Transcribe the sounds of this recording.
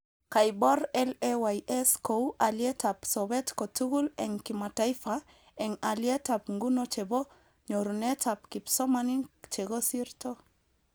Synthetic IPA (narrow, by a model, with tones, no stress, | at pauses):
ka˨jbɔ˦ɾɛ˦lɛwajʔɛ˦sko˨u˦ʔa˨ljɛ˦ta˨psɔ˨bɛ˦tko˨tu˦ɣu˦lɛ˨ŋkima˨ta˦ifa | ɛ˨ŋa˨ljɛ˦ta˨pŋɡu˦not͡ʃe˨bɔ˦ | ɲo˨ɾu˨nɛ˦ta˨p̚ki˨psɔ˦mani˦t͡ʃe˨ɡo˦si˦ɾtɔ˦